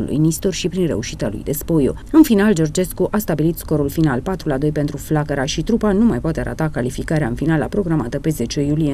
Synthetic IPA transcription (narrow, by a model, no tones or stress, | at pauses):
ṵlṵjnist̪orʃipɾinre̞̰uʃit̪a̰lṵjd̪e̞spo̞jo̰ | ɨnfinald͡ʒo̞rd͡ʒe̞skuʔast̪abilit̪sko̞ɾulfinalpat̪ɾulad̪o̞jpent̪ɾuflakəɾaʃit̪ɾupanumajpoat̪e̞a̰ɾʔa̰t̪akalifikaɾeaɨnfinala̰pɾo̞ɡɾamat̪əpe̞ze̞t͡ʃe̞julije